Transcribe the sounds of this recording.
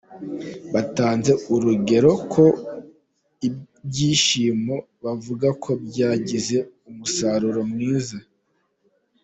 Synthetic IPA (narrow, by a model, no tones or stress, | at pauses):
βataːnze̞uɾuɡe̞ɾo̞kʰo̞ | i | bɟiːʃiːmo̞ | βavuɡakʰo̞bɟaːɟize̞umusaɾuɾomŋiːza